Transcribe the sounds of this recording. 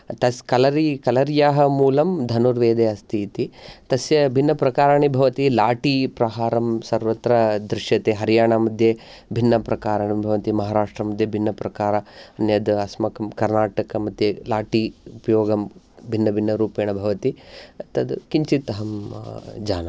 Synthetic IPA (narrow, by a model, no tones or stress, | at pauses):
t̪ɐskɐlɐɾikɐlɐɾjaːɦɐmuːlɐmd̪ʱɐnuɾʋeːd̪eːɐst̪ʰiːt̪it̪ɐsjɐbʱinːɐpɾɐkaːɾaːɳibʱɐʋɐt̪ilaːʈipɾɐɦaːɾɐmsɐɾʋɐt̪ɾɐd̪ɾɪʃjɐt̪eːɦɐɾijaːɳamɐd̪ʱje | bʱinːɐpɾɐkaːɾaɳibʱɐʋɐt̪imɐɦaːɾaːʂʈɾɐmɐd̪ʱjɐbʱinːɐpɾɐkaːɾɐɐnjɐd̪ɐsmɐkɐmkɐɾnaːʈɐkɐmɐd̪ʱjelaːʈiupɐjoːɡɐm | bʱinːɐbʱinːɐɾuːpeːɳɐbʱɐʋɐt̪iɐt̪ɐd̪kiɲt͡ʃit̪ɐɦɐmd͡ʒaːnɐ